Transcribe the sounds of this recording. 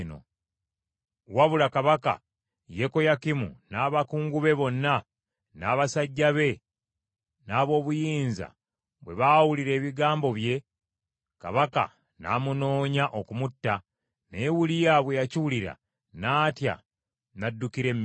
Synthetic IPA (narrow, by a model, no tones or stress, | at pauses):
no̰ | waβulakaβaka̰ | je̞ko̞jakimṵnaːβakuːŋɡuβe̞βo̞nːa | naːβasaɟːaβe̞ | naːβo̞ːβujiːnza̰ | βwe̞̰βawuliɾe̞ːβiɡaːmbo̞βje̞ | ka̰βaka̰ | na̰ːmuno̞ːɲaʔo̞kumutːa | ne̞wulijaβwe̞jaciwuliɾa̰ | naːtja̰ | nadːukiɾe̞mː